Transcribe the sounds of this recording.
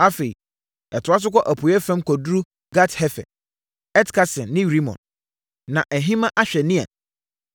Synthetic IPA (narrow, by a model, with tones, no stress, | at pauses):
a˦fe˨i˨ | ɛ˨tʰʊ˨˦a˦s̬ʊ˦kʷɔ˦ʔæ˨pʰu˨ɛ˦fɛ̃˦mkʰɔ˨dɾu˦ | ɡa˦thɛ˦fɛ̰˨ | ɛ˦tkʰa˦sɪ̃˨nːɪ̃˦ɾi˦mɔ̰̃˨n | nã˨ʔɛ˨ɦĩ˦mã˦ʔa˦ɕᶣɛ˨nɪ̃˦a̰˨